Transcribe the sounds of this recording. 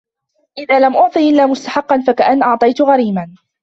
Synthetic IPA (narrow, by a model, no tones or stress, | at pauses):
ʔɪðaːlamʔʊʕt̪ˤɨːʔɪlːaːmʊst̪aħɑqːɑnfakaʔanːʔɑʕt̪ˤɑjt̪ʊɣaɾiːman